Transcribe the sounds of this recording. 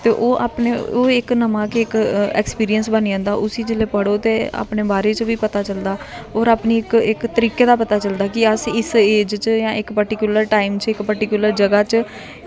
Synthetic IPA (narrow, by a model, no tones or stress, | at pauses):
t̪eːʔoːʔa̰ːpneːoːɪknəmãːkeɪkɛ̰ːkspiːɾijənsbəniə̃ːnd̪aːʔʊsiːd͡ʒɪleːpəɽoːt̪eːa̰ːpneːbaːɾeːt͡ʃʋiːpət̪aːt͡ʃəld̪aː | oːɾaːpniːɪkɪkt̪əɾiːkeːd̪aːpət̪aːt͡ʃəld̪aːkɪəsɪseːd͡ʒt͡ʃjãːʔɪkpəɾʈɪkjʊləɾʈaːimt͡ʃɪkpəɾʈɪkjʊləɾd͡ʒəɡaːt͡ʃ